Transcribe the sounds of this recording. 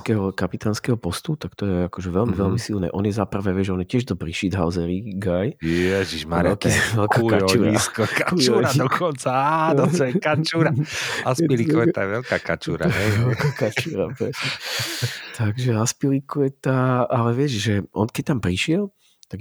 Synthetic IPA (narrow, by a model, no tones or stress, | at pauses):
skɛɦɔkapit̪aːnskɛɦɔpɔst̪ut̪akt̪ɔjɛakɔʒɛʋɛlmiʋɛlmisilnɛ̰ːʔɔnjɛzapɾaʋɛʋɪɛʒɛɔnjɛcɛʒd̪ɔpɾiʃid̪ɦaʊzɛɾiɡajɛʒiʒmaɾɛlkiʋɛlkakauɾiskɔkauɔɾad̪ɔkʰɔnt͡saanɔɔɛkat͡ʃuɾaaspiɾikɛt̪ajɛʋɛlkakat͡ʃuːɾa̰ɛʋɛlkakat͡ʃuːɾa̰pɾɛsɲɛ | t̪ʰaɡʒɛaspiɾikuɛt̪aalɛʋɪɛʒʒɛʔɔnkɛc̚t̪ampɾiʃɪɛlˠ | t̪aɡ